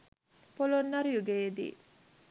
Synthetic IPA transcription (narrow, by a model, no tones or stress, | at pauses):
polonːɐɾujuɡeːd̪ḭː